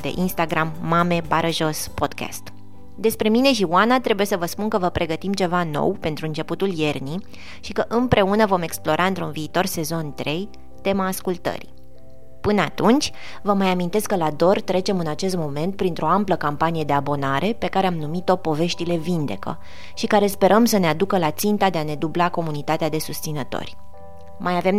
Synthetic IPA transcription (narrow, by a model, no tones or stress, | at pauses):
d̪e̞̰ʔinst̪aɡɾamːame̞baɾʔəʒo̞spo̞d̪kʰa̰st̪ | d̪e̞spɾe̞mine̞ʃ̬iuanat̪ɾe̞buje̞səvəspunkəvəpɾʔe̞ɡət̪imt͡ʃe̞vano̞̰wpe̞nt̪ɾuɨnt͡ʃe̞put̪ulje̞rni | ʃikəʔɨmpɾʔe̞unəvo̞me̞ksplo̞ɾʔaɨnt̪ɾunviːt̪o̞rse̞zo̞nt̪ɾʔe̞j | t̪e̞maːskult̪ə̰ɾḭ | pɨnəat̪unt͡ʃʲ | vəmajamint̪e̞skːəlad̪o̞rt̪ɾe̞t͡ʃe̞mɨnat͡ʃe̞s̬t̪̚mo̞me̞nt̪̚pɾint̪ɾo̞ampləkampanije̞d̪e̞abo̞naɾʔe̞pe̞kaɾe̞amnumit̪o̞po̞ve̞ʃt̪ile̞vind̪e̞̰kə̰ | ʃikaɾe̞spe̞ɾʔəmsənead̪ukəlat̪sint̪ad̪e̞ane̞d̪ublako̞munit̪at̪ead̪e̞sust̪sinət̪o̰rʲ | majave̞m